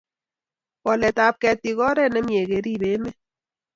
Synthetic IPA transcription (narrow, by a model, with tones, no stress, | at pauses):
kɔ˨lɛ˨ta˦p̚kɛ˧t̚ːi˨kɔ˦ɾɛ˦˨nɛ˦mje˨ke˨˦ɾi˦˨be˨˦mɛ˦